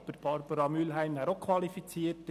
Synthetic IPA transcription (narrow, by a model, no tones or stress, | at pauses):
b̥əɾb̥ɑɾbəɾɑmylɦæɪmæːɾokʰʋɑlifit͡siːət